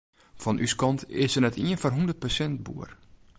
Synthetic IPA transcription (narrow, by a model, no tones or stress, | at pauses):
fɔnʔyskɑntɪsənɛtʰiənfɔrɦundərt̚pəsɛnt̚bṵər